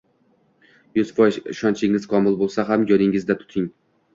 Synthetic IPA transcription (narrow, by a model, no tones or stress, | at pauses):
jʊz̥fɒjzɪʃɒnt͡ʃʰɪŋɪz̥qʰɒmɪlˠbolˠsaɦamjɒɾɪŋɪzd̪at̪ʰʊ̥t̪ʰɪŋ